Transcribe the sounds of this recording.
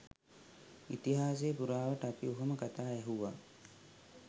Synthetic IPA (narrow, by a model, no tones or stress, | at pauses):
it̪iɦaːs̬ejpuɾaːʋəʈəapiuɦuməkat̪aːɛɦuʋaː